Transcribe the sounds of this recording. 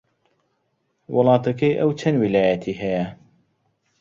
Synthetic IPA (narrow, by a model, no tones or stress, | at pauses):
wʔʊlˠɑːt̪ɐkɐjʔɐwt͡ʃʰɐnwilaːjɐt̪ʰiːɦɐjɐ